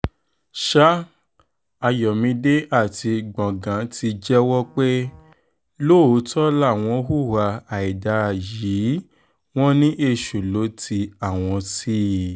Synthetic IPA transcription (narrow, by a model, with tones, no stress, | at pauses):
ʃa˦ | a˧jɔ˨mĩ˧de˦ʔa˦˨ti˧ɡ͡bɔ̃˨ɡã˨˦ti˧d͡ʒɛ˦wɔ˦k͡pe˦ | lo˦˨o˨˦tɔ˦la˦˨w̃ɔ̃˧˦ɦu˦˨wa˧a˨i˨da˧˦˨ji˨˦ | w̃ɔ̃˦nĩ˦ʔe˧ʃu˨lo˨˦tʰi˧a˨w̃ɔ̃˧si˦